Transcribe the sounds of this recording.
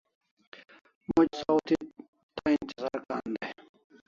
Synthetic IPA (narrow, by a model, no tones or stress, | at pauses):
mʊd͡ʑsawt̪ʰi | t̪aint̪izaːɾkaːnd̪e